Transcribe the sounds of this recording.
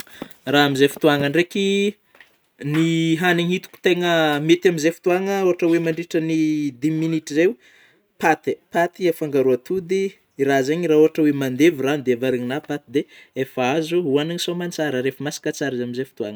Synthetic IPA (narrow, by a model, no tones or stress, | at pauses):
raamizefi̥t̪uaŋəɳreki | niɦaniɲhit̪u̥ku̥t̪eŋəmet̪amizefu̥t̪uaŋəoɦaʈ͡ʂəwemaɳɖ͡ʐiʈ͡ʂənid̪iminiʈ͡ʂizew | pat̪epat̪iefaŋɡaɾuat̪ud̪iː | ɾazeɲirauɦaʈ͡ʂəwemand̪evirand̪eavaɾeɲinapat̪id̪eefazuɦuanaɲisomant͡saɾaɾefəmasi̥kət͡saɾizamizefu̥t̪uaŋə